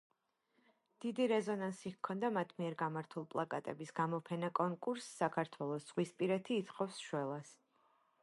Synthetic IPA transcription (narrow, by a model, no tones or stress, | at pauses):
d̪̥id̪iɾɛzɔnansikʰːɔnd̪amat̪ʰmiɛɾɡamaɾt̪ʰulˠpʼlˠakʼa̰t̪ʼɛbisɡamɔpʰɛnakʼɔŋkʼuɾsːakʰaɾt̪ʰwɛlˠɔsz̥ʁwispʼiɾɛt̪ʰiːt̪χɔfsʃwɛlˠas